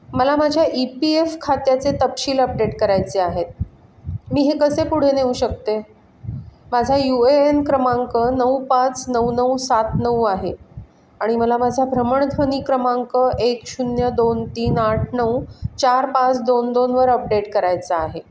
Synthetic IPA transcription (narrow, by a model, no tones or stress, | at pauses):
məlamad͡ʑʱjaʔipiefkʰat̪jat͡set̪əpɕiːləp̚ɖeʈkəɾajt͡seaɦet̪̚ | miːɦekəsepuɽ̤eneuɕək̚t̪e | mad͡zʱajueenkɾəmaŋkənəwpãt͡snəwnəwsat̪nəwaɦe | aɽ̃iməlamad͡zʱabʱɾəməɳ̃d̪ʱʋəniːkɾəmaŋkəʔekɕunjəd̪ont̪iːnaʈʰnəwt͡ɕaɾpãt͡sd̪ond̪onʋəɾəp̚ɖeʈkəɾajt͡saaɦe